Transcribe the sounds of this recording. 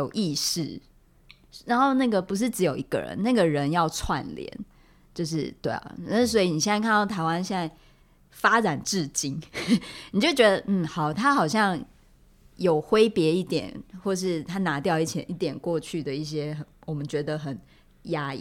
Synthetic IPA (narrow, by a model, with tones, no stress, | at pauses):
jo˨˩ʊʔi˥˧ʂɻ̩˥˩ | ɻa˧˦nxo˥˧ʊna˥˩ɡə˩pu˧˦ʂ̬ɻ̩˥˩ʈ͡ʂɻ̩˧˥jo˨ʊi˨˦ɡ̥ə̰˨ɻə̰˧˦nna˥˩ɡə˩ɻə˧˦njɑ˥˧ʊt͡sʰwa̰˥˩nlj̰ɛ̰˧˦n | t͡ɕjo˥˧ʊʂ̬ɻ̩˥˩t̪we˥˩ɪ̰˨˩na˥˩s̬wɔ˧˥i˨˩ni˨˩jɛ˥˧na˥˧kʰa˥˧nt̪ɑ˥˩t̪ʰa˧˥ɪwa˥˦nɕjɛ˥˧na˥˩ɪ | fa˥ʈ͡ʂa˨˩nʈ͡ʂɻ̩˥˨t͡ɕi˥ŋni˨˩t͡ɕjo˥˩ʊt͡ɕɥɛ˧˦d̪ə˧n̩˥˩xɑ˨˩ʊt̪ʰa˦˥xɑ˨˩ʊɕ̬jɑ˥˩ŋ | jo˨˩ʊxwe˥ɪpjɛ˧˥i˥˩t̪jɛ̰˨˩nxwɔ˥˩ʂ̬ɻ̩˥˩t̪ʰa˥na˧˥t̪jɑ˥˧ʊi˥˩t͡ɕʰjɛ̰˧˦nʔi˥˩t̪jɛ˨˩nkwɔ˥˧t͡ɕʰy˥˩d̪ə˩i˥˩ɕ̬jɛ˥xə˨˦nwɔ˨˩mə˨˦nt͡ɕɥɛ˧˥d̪ə˧xə˨˩n | ja˦˥ḭ˥˨˩